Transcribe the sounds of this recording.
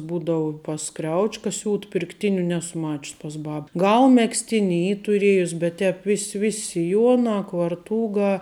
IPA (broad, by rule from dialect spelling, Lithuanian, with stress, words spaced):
ˈbuːdɐʋʊ pɐs ˈkrʲɛʊt͡ʃʲkɐ ˈsʲuːt pʲɪrkˈtʲɪnʲʊ ˈnʲæːsʊ ˈmɑːt͡ʃʲʊs pɐs ˈbɐp ˈɡɐlˠ mʲɛksʲˈtʲɪnʲɪ ˈiː tʊˈrʲiɛjʊs bʲɛt ˈtʲɛːp ˈʋʲɪsʲ ˈʋʲɪsʲ sʲɪˈjuɔnɐ kʋɐrˈtuːɡɐ